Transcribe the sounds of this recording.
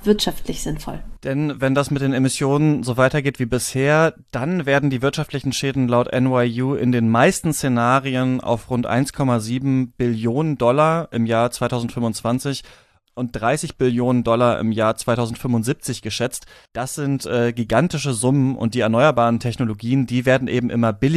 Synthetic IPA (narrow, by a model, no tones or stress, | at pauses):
v̥ɪɐtʃaftʰlɪçz̥ɪnfɔ̰ld̥ɛnvɛndasmɪt̚d̥eːnemɪsjoːnənzoːvaɪtɐɡeːtv̥iːbɪsheːɐd̥anveːɐdn̩diːvɪɐtʃaftlɪçn̩ʃɛːdn̩laʊtʔɛ̰nwaɪjuːʔɪ̰ndeːnmaɪstn̩st͡senaːʁiəna̰ʊfʁʊntʔa̰ɪnskʰɔmaziːbm̩b̥ɪljoːnəndɔlaʔɪmjaːɐt͡sv̥aɪtʰaʊzn̩tfʏmʊnt͡sv̥ant͡sɪç | ʔʊnt̚d̥ʁaɪsɪçb̥ɪljoːnəndɔlaʔɪ̰mjaːɐt͡sv̥aɪtʰaʊzn̩tfʏmʊntz̥iːp̚t͡sɪçɡ̥əʃɛt͡std̥asz̥ɪntʔɛːɡiɡantɪʃəzʊmənʊ̰nt̚d̥iːɛɐnɔʏɐbaːʁəntʰɛçnoloɡiːəndiːveːɐdn̩ʔḛːbm̩ʔɪmɐbɪl